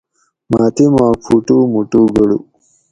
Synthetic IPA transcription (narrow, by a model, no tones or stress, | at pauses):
maːt̪imaːpʰuʈumuʈuɡɐɽṵ